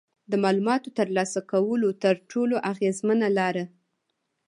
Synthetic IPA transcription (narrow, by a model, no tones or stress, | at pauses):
d̪əmɑlumɑt̪ot̪əɾlɑsakawəlot̪əɾʈʰoloʔaɣezmanalɑɾa